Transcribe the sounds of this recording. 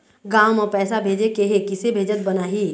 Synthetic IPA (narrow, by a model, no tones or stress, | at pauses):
ɡaːmɔːɾpɛːsabʱeːd͡ʒekeɦekɪsebʱeːd͡ʒət̪̚bɐnaːɦiː